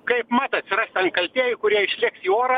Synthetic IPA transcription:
kɐɪpmɑt̪ɐt̪ʲsʲɪrɐsʲt̪ʲɐnt̪kɐlʲt̪ʲeːjɪkʊɾʲiɛɪʃʲlʲɪksiːoːɾɐ

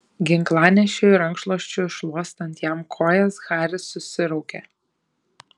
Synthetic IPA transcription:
ɡʲɪŋklˠɑːnʲɛʃʲoʊɪɾɐŋkʃlˠoɔʃʲt͡ʃʲʊɪʃlˠuɔst̪ɐnʲt̪jæmkʰoːjɛsxɑːɾʲɪsʊsʲɪɾɔʊkʲḛː

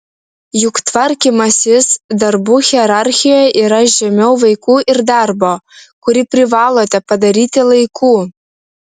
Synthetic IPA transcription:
jukt̪vɐɾʲkʲimɐsʲɪsd̪ɐrbuːxʲiɛɾɑrʲxʲijojʔiɾɐʒʲɛmʲɛwvɐɪkuːʔɪrd̪ɑrbokuɾʲipʲrʲɪvɑːlˠoːt̪ʲɛpɐd̪ɐɾʲiːt̪ʲɪlˠɐjkʰuː

